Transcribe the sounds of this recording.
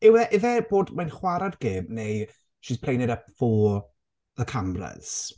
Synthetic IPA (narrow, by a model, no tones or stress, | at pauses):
ɪwɛʔɪðɛboːdmanχwaɾadɡeːmnej | ʃiːspʰl̥ejnɛdapfɔ | ðəkʰamblɛ̰s